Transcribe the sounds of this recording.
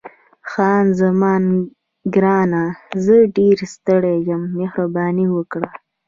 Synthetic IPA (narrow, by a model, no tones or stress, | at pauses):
xɑːnzamɑːn | ɡɾɑnazəɖeɾst̪əɽejəmːehɾabɑːniwəkɽa